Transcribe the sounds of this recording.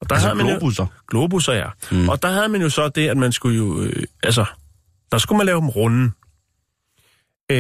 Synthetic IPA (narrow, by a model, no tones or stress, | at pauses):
ɒd̥ɑ̈ɦæð̰ˠmænoɡ̥lob̥usɐjæʔɒ̽d̥ɑ̈ɦæð̞̩ˠmænjo̝sɒ̽d̥e̝æd̥mænsɡ̥ujo̝øælsə | d̥ɑ̈sɡ̥umænlɛːʊd̥emʁɔnn̩